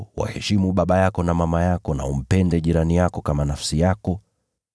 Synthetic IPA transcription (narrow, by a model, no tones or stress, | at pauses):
wa̰hɛʃimuɓaɓajakɔnamamajakɔna̰um̩pɛndɛʄiɾanijakɔkamanafsijakɔ